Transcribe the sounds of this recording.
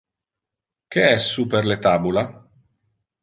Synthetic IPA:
keɛsːuperlet̪aːbula

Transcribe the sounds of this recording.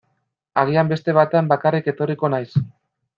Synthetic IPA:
aɣ̞iambe̞st̪e̞β̞at̪e̞ambakarike̞t̪o̞riko̞najs

